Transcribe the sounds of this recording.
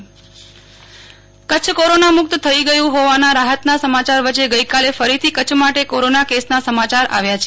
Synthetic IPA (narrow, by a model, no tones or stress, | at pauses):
kət͡ʃʰkoɾonamʊk̚t̪t̪ʰəiɡəjũɦoʋanaɾaɦət̪nasəmat͡ʃaɾʋət͡ʃeɡəjkalefəɾit̪ʰikət͡ʃʰmaʈekoɾonakesnasəmat͡ʃaɾʔa̰ʋjat͡ʃʰe